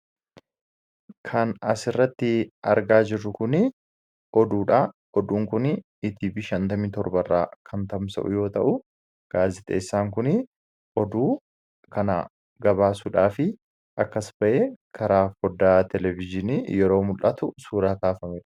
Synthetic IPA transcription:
kʰɐnɐsɪrːɐt̪ːɪɐɾɡaːd͡ʒɪrːʊkʊnɪ | ʔɔd̪uːᶑaː | ɔd̪uːŋkʊn | ɪt̪iːbiʃɐnt̪ɐmiːt̪ɔɾbɐrːa̰ːkʰɐnt̪ɐmsɐ̰ʔʊ̰jo̞ːt̪ɐʔʊ | ɡ̥aːzɪt̪ʼḛːsːaːŋkʊnɪ | ʔɔd̪uː | kʰɐna̰ | ɡɐbaːsuːᶑaːfɪ | ʔɐkːɐsb̥ɐʔeːkʰɐɾʔaːfɔd̪ːaːt̪ɛlɛvɪd͡ʒɪniːjɛɾo̞ːmʊlʔɐt̪ʊsuːɾɐːt̪aːfɐmeᶑɐ̥

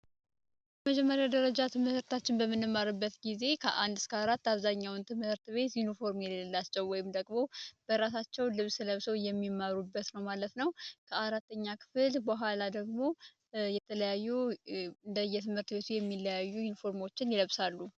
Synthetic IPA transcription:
əməd͡ʒɛmːəɾjad̪əɾəd͡ʒat̪ʰɨmhɨhɨɾt̪ʰat͡ʃːɪnbəmːɨnːɨmːaɾɨbːət̪ɡize̞kʰəʔand̪ɨskəaɾat̪ːaβzaɲːawnt̪ʰɨmhɨɾt̪βe̞t̪junifo̞ɾmjɛllːat͡ʃːɛwːɔjɪmd̪əɡʼmo̞b̥əɾas̬at͡ʃːɛwlɨβsɨləβsəwjɛmːimːaɾubːət̪nəwmalət̪nəwkʰəaɾat̪ːəɲːakʰɨ̥fɨlbəɦʷalad̪əɡmo̞ | jɛt̪ʰələjajːuɨnd̪əjːɛt̪ʰɨmhɨɾt̪ɨβe̞t̪ʰujɛmːiləjajːujunifo̞ɾmo̞t͡ʃːɪnjɪləβsalːu

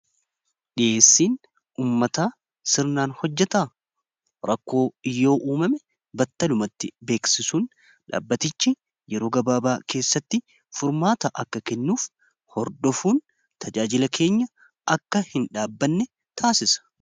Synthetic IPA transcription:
ᶑɪʔeːsːiːn | uːmːɐt̪aː | sɪɾnaːnhɔd͡ʒːɛt̪aː | ɾɐkːo̞ːɪjːo̞ːʔuːmɐmɛ | bɐt̪ːɐlʊmɐt̪ːɪbe̞ːksɪsuːn | ᶑa̰ːbːɐt̪ɪt͡ʃːɪ | jɛɾo̞ːɡɐbaːbaːkʰe̞ːsːɐt̪ːɪ | fʊɾmaːt̪ɐʔɐkːɐkɛnːuːf | hɔɾd̪ɔfuːn | t̪ɐd͡ʒaːd͡ʒɪlɐkʰe̞ːɲːɐ | ɐkːɐhɪnᶑaːbːɐnːɛ | t̪ʰaːsɪsɐ̥

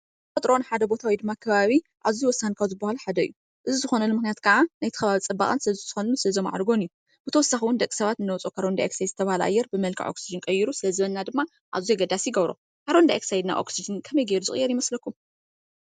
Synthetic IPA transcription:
fʼɐt̪ʼɾo̞nħad̪ɐbo̞t̪ʰawid̪ɨmːakʰɐβaβi | ʔaβziwɔsːankʰawzɨbːahaluħad̪ɐɨ̰ju | ʔɨzizɨxo̞nɐlumɨxnijat̪kʰɐʕanajt̪ʰɨ̥xɐβaβit͡sʼɐbːaχʼansɨlɐzz̥ɨxonusɨlɐzioma̰ʕɾɡo̞nɨju | b̥ɨt̪ʰɐwɔsːaxiwʊnd̪ɐkʼi̥sɐβat̪ɨnːɐwt͡sʼokʰaɾond̪aeksajd̪zɨt̪ʰɐβahalʔa̰jːɛɾbɨmɐlkʰa̰ʕʔo̞̰ksid͡ʒɨnkʼɐjɪɾusɨlɐzɨβɐnːad̪ɨmːa | ʔa̰βzujɡɐd̪asijɪɡɐβɾo̰ | kʰaɾond̪aeksajd̪na̰ʔoksid͡ʒɨnkʰɐmɐjɡeɾuzɨχʼɨjːɛɾjɪmɐslɐkʰːum

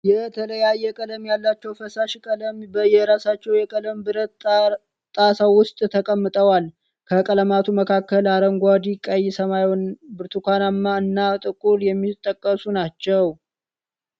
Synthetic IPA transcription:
jɛt̪ʰələjajːɛkʼələmjalːat͡ʃːɛwfəsaʃkʼələmbəjɛɾasat͡ʃːɛwjɛkʼələmbɨɾət̪ | t̪ʼasawʊst̪ʼt̪ʰəkʼəmːɨt̪ʼəwal | kʰəkʼələmat̪ʰuməkʰakːəlaɾəŋɡʷad̪ikʼəjsəmajɔnbɨɾt̪ʰukʰʷanamːaɨnːat̪ʼɨkʼuljɛmːit̪ʼːəkʼːəsunat͡ʃːɛw

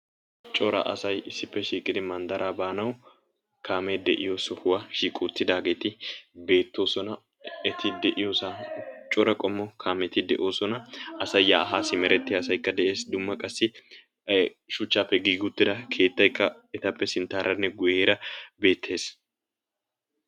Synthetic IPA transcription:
t͡ʃʼɔɾɐ̰ʔɐ̰sɐjɪsːɪpːɛʃiːkʼɪd̪ɪmɐnd̪ɐɾʔaːbaːnɐw | kʰaːmɛd̪ɛʔɪjosɔhʊwɐʃiːkʼuːt̪ːɪd̪aːɡe̞ːt̪ɪbe̞ːt̪ːo̞ːsɔnɐ | ɛt̪ʰɪd̪ɛʔɪjoːsat͡ʃʼɔɾɐkʼɔmːɔkʰaːmɛt̪ɪd̪ɛʔo̞ːsɔnɐʔɐsɐjːaːɦaːsɪmɛɾɛt̪ːɪɐsɐjkːɐd̪ɛʔe̞ːsd̪ʊmːɐkʼɐsːɪ | ʃʊt͡ʃːaːpːɛɡiːɡʊt̪ːɪd̪ɐkʰe̞ːt̪ːɐjkːɐ | ɛt̪ɐpːɛsɪnt̪ːaːɾɐnːɛɡʊjeːɾɐbe̞ːt̪ʰːe̞ːs

